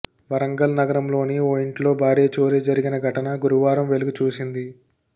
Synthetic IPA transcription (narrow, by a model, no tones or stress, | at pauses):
ʋɐɾɐŋɡɐlnɐɡɐɾɐmlo̞ːnioːjiɳʈlo̞ːbʱaːɾeːt͡ʃo̞ːɾeːd͡ʒɐɾiɡinɐɡʱɐʈɐnɐɡuɾuʋaːɾɐmʋe̞luɡut͡ʃuːsind̪i